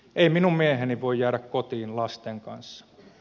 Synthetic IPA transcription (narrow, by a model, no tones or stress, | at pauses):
ʔeiminummieheniʋoijjæːɾækkot̪iːnlɑst̪eŋkɑ̰nsːɑ̥